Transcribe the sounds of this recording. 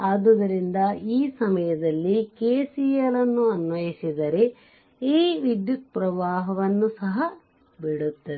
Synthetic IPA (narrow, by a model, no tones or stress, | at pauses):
aːd̪ud̪ɐɾind̪ɐiːsɐmɐjɐd̪ɐlːikeːsijɐlɐnːuɐnʋɐjisid̪ɐɾe̞ | iːʋid̪jut̪̚pɾɐʋaːɦɐʋɐnːusɐɦɐ | biɽut̪ːɐd̪e